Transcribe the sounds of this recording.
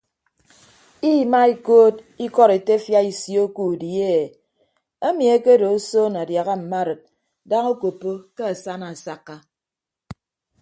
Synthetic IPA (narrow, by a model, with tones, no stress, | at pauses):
i˦˨ma˦i˦koː˦d̚ | i˦kɔ˦ɾe˨te˦fja˦i˨sjo˦ku˦˨di˨e˦˨ | e˦mi˨e˦ke˦do˨˦so˦na˨dja˨ɣa˦m̩˨ma˦˨ɾɨ˨t̚ | da˦ŋo˦ko˨pːo˦ke˦a˨sa˦na˨sa˦kːa˦